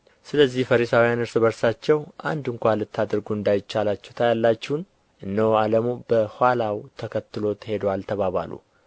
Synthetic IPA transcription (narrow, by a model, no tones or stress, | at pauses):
sɨləzːihfəɾisawijanɨɾsɨβəɾsat͡ʃːɛwʔa̰nd̪ɨŋkʷalɨt̪ʰːad̪ɾɡuɨnd̪ajɪt͡ʃːalat͡ʃːɛwt̪ʰajalːat͡ʃːhun | ʔɨnːəwaləmubəhʷalawt̪ʰəkʰət̪ːɨlo̞t̪he̞d̪alt̪ʰəβaβa̰lṵ